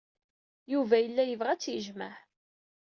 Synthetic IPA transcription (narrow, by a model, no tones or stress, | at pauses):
juvæjəlːæjəvʁæt͡sːjəʒmaħ